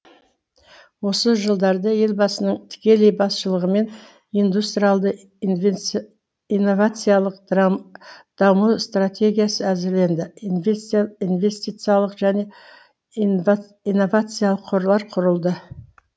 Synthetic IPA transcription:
wo̞səʒəlˠd̪ɑɾd̪ɑje̞lbɑsənəɴt̪ʰɪ̥kʲe̞le̞jbɑsʃəlˠəʁəme̞n | ijnd̪ust̪ɾijalˠd̪ə | ijnːo̞vat̪sɨjalˠəq̪ | d̪̥ɑmust̪rat̪ʲʰe̞ɡʲijasəæzɪɾle̞nd̪ɪ | inve̞st̪it̪sɨjalˠəqʒ̥æne̞ | ijnːo̞vat̪sɨjalˠəqʰːoɾlˠɑɾqʰʊɾəlˠd̪ə

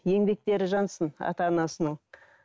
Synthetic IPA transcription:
je̞ŋbe̞k̚t̪e̞ɾɪʒɑnsənɑ̰t̪ɑːnɑsənəɴ

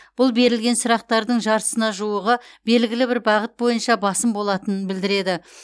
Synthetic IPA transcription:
b̥ʊlˠbe̞ɾɪlɡʲe̞nsʊɾɑq̚t̪ɑɾd̪əɴʒɑɾə̥sənɑʒuwəʁəb̥e̞lɡʲɪlɪbɪɾbɑʁət̪̚bo̞jənʃɑbɑsəmbo̞lˠɑt̪ənənbɪld̪ɪɾe̞d̪ɪ

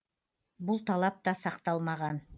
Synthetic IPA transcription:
bulˠt̪ʰɑlˠɑp̚t̪ɑsɑqt̪ɑlˠmɑʁɑn

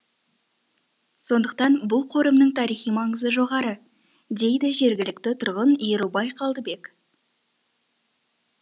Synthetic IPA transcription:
so̞nd̪əq̚t̪ɑnbʊlˠqʰo̞ɾəmnəɴt̪ʰɑɾijχijmɑɴəzəʒo̞ʁɑɾə | d̪e̞jd̪ɪʒe̞ɾɡʲɪlɪkt̪ɪt̪ʰʊɾʁənjeɾubɑjqʰɑlˠd̪əbe̞k

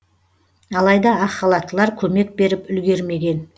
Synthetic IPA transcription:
ɑlˠɑjd̪ɑɑqːɑlˠɑt̪əlˠɑɾkʲʰɵme̞k̚be̞ɾɪpʏlɡʲe̞ɾme̞ɡʲe̞n

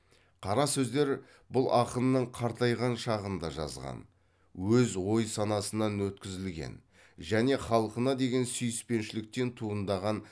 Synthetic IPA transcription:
qʰɑɾɑsɵzd̪e̞ɾ | bʊlˠʔɑqənːəɴqʰɑɾt̪ɑjʁɑnʃɑʁənd̪ɑʒɑ̰zʁɑ̰n | wɵzwo̞jsɑnɑsənɑnwɵt̪kʲɪzɪlɡʲe̞̰n | ʒæne̞χɑlˠqənɑd̪e̞ɡʲe̞nsʏjɪspe̞nʃɪlɪk̚t̪e̞nt̪ʰuənd̪ɑʁɑn

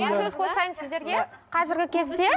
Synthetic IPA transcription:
ensɵzqʰosɑjənsɪzd̪e̞ɾɡʲe̞qʰɑzɪɾɡʲɪkʲʰe̞zd̪e̞

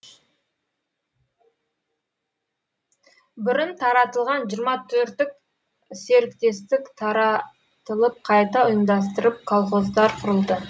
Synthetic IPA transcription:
bʏɾɪnt̪ʰɑɾɑt̪əlˠʁɑnʒiəɾmɑt̪ʰɵɾt̪ɪk̚ | se̞ɾɪkt̪e̞st̪ɪkt̪ʰɑɾɑ | t̪əlˠəp̚qʰɑjt̪ɑʊjəmd̪ɑs̬t̪əɾəp̚kʰolˠχo̞zd̪ɑɾqʰʊɾəlˠd̪ə

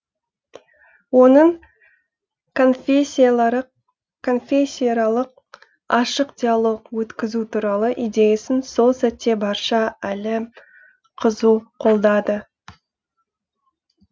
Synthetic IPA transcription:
wo̞nəɴ | fɾ | kʰo̞nfʲesʲːijɾɑlˠəq̚ | ɑʃəqd̪̥ʲijalˠo̞qwɵt̪kʲɪzut̪ʰuɾɑlˠəʔid̪e̞jasɪnso̞lˠsæt̪ːe̞bɑɾʃɑælɪ | qʰəzuqʰo̞lˠd̪ɑd̪ə

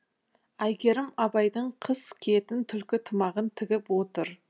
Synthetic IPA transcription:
æjɡʲe̞ɾɪmɑbɑjd̪əɴqʰəz̥kʲʰe̞t̪ɪnt̪ʰʏlkʲɪt̪ʰəmɑʁənt̪ʰɪɡʲɪpwo̞t̪əɾ

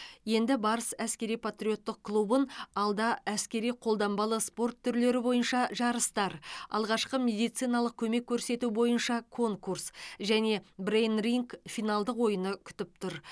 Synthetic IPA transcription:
je̞nd̪ɪbɑɾəsæskʲe̞ɾijpʰat̪rʲijo̞t̪ːəq̚kʰlˠubənɑlˠd̪ɑæskʲe̞ɾijqʰo̞lˠd̪ɑmbɑlˠəspo̞rt̪ʰːʏɾle̞ɾɪbo̞jənʃɑʒɑɾəst̪ɑɾɑ̰lˠʁɑʃqəme̞d̪ijt̪sɨjnɑlˠəq̚kʲʰɵme̞kʲʰːɵɾse̞t̪ubo̞jənʃɑkʰo̞ŋkursʒæne̞brejnriŋkfijnɑlˠd̪əqwo̞jənəkʲʰʏ̥t̪ɪp̚t̪ʰʊɾ

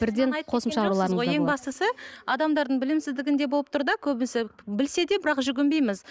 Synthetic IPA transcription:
b̥ɪɾd̪e̞ɴɑqʰo̞səmʃɑɾulˠɑɾəʁojeŋbɑst̪əsəɑd̪ɑmd̪ɑɾd̪əɴbɪlɪmsɪzd̪ɪɡʲɪnd̪e̞bo̞lˠəp̚t̪ʰʊɾd̪ɑkʲʰɵbɪnsɪbɪlse̞d̪e̞bɪɾɑqʒʏɡʲɪmbe̞jmɪz

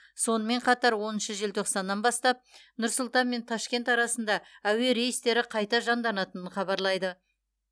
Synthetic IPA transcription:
so̞nəme̞ɴqʰɑt̪ɑɾwo̞nənʃəʒelt̪ʰo̞qsɑnːɑnbɑst̪ɑp̚nʊɾsʊlˠt̪ɑnme̞nt̪ʰɑʃkʲe̞nt̪ɑɾɑsənd̪ɑæwe̞ɾe̞jəst̪e̞ɾɪqʰɑjt̪ɑʒɑnd̪ɑnɑt̪ənənχɑbɑɾlˠɑjd̪ə

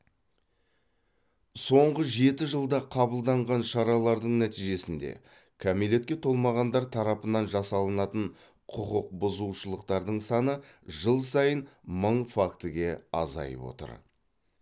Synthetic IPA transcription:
so̞ɴʁəʒe̞t̪ɪʒəlˠd̪ɑqʰɑbəlˠd̪ɑɴʁɑnʃɑɾɑlˠɑɾd̪əɴnæt̪ijʒe̞sɪnd̪e̞̰ | kʲʰæmile̞t̪̚kʲe̞t̪ʰo̞lˠmɑʁɑnd̪ɑɾt̪ʰɑɾɑpənɑnʒɑsɑlˠənɑt̪əɴ | qʰʊqəq̚bʊzuwʃəlˠəqt̪ɑɾd̪əɴsɑnəʒəlˠsɑjənməɴfakt̪əɡʲe̞ɑ̰zɑ̰jə̰pwo̞̰t̪ə̰ɾ

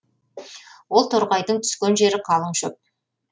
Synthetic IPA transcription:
wo̞lˠt̪ʰʊɾʁɑjd̪əɴt̪ʰʏ̥skʲenʒe̞ɾɪqʰɑlˠəɴʃɵp̚

